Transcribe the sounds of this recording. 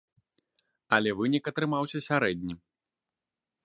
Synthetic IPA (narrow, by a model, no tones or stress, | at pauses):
ɐlʲɛvɨnʲikɐt̪ɾɨmawsʲɐsʲaɾɛd̪ʲnʲi